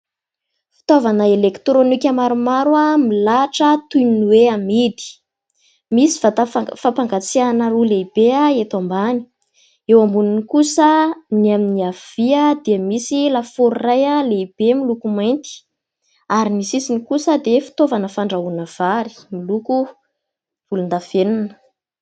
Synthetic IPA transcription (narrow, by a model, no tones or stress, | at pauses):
fi̥t̪ovanəelekt̪ɾonikʲamaɾumaɾuamilaʈ͡ʂət̪uninuweamid̪i̥ | misi̥fat̪afapaŋɡat͡sianərulebeaet̪ambani̥ | ewambuninikusəniaminiav̥iəd̪eəmisilafoɾrajaleb̥emilukumajnt̪i̥ | aɾinisisinikusəd̪efi̥t̪ovanəfaɳɖ͡ʐaunəv̥aɾi̥miluku | v̥ulund̪av̥eninə̥